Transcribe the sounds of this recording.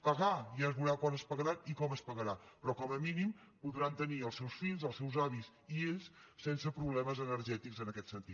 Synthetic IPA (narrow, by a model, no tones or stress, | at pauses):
pəɣajazβuɾakwanəspəɣəɾaikɔməspəɣəɾapɾɔkɔməminim | puðɾant̪əniəlˠsɛwsfinzəlˠsɛwzaβis | ieʎssensəpɾuβlɛməzənəɾʒɛt̪ikzənəkɛt̪sənt̪it̪